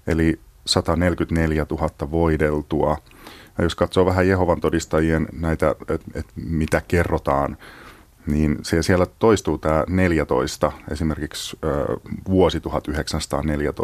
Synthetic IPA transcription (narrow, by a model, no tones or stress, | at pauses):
ḛlisɑt̪ɑnelkyt̪neljæt̪uɦɑt̪ːɑʋoidelt̪uɑ | jɑjoskɑt̪soːʋæɦæjeɦoʋɑnt̪odist̪ɑjiennæit̪æ̰et̪et̪mit̪ækerːot̪ɑːn | niːnsesielːæt̪oist̪uːt̪æːneljæt̪o̞̰ist̪ɑesimerkiksə̰ːʋuosit̪uhɑt̪yɦeksænsɑ̥t̪ɑ̰ːneljæt̪o̰